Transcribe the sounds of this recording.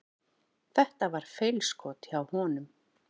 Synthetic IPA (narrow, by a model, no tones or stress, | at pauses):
θɛht̪avaɾ̥fejlskʰɔːt̪awhɔːnʏm